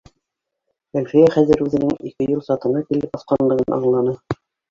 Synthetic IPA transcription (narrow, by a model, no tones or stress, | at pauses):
ælfijæχæðɘɾʉðɘ̆nɘŋikɘjulˠsɑt̪ɤ̆ɴɑkilɘp̚ɑsqɑnlˠɤ̆ʁɤnʔɑ̰ɴlˠɑnɤ